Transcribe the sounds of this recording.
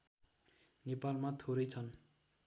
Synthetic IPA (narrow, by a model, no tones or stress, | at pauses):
nepalmat̪ʰoɾʌjt͡sʰʌn